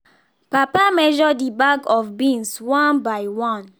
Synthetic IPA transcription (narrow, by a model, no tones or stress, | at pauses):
papamɛʒɔdibaɡɔfbĩnswãnbaɪwɔ̃n